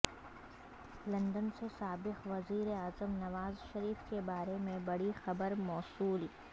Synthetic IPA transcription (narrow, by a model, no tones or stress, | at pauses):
lɐ̃nd̪ənsesaːbɪqʋɐziːɾeaːzəmnɐʋaːzʃɐɾiːfkebaːɾemẽbɐɽixɐbəɾmɔːsuːl